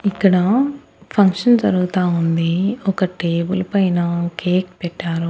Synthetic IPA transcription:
ikːɐɽɐ | pʰɐŋkʂɐnd͡ʒɐɾuɡut̪aːund̪iɔkɐʈeːbulɐpɐjnɐkeːkpɛʈːaːɾu

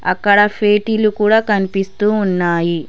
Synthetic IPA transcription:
ɐkːɐɽɐpʰeːʈilukuːɽaːkɐnipist̪uːnːaːji

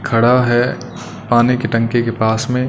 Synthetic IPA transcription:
kʰɐɽaɦɛ | paːnikeʈɐ̃ŋkekepaːsmẽ

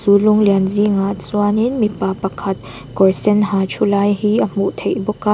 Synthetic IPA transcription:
suluŋlianziŋasuaninmipapɐkʰɐt̪̚ | kɔɹsɛnɦat͡ʃʰulajhiʔəm̥uʔt̪ʰejbɔkːa

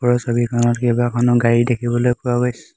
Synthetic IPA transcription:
pɔɹɔsobikʰɔnɔtkejbakʰɔnɔɡaɹidekʰibɔlojpʊaɡojsɛ̥

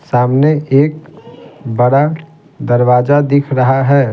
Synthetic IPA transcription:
saːmneʔeːk̚ | bəɽa | d̪əɾʋaːzad̪ɪkʰɾəɦaɦɛː

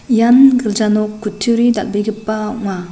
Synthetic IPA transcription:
janɡɯld͡ʒanɔkːutʰːuɾida̰lbiɡɯpːaɔʔŋma

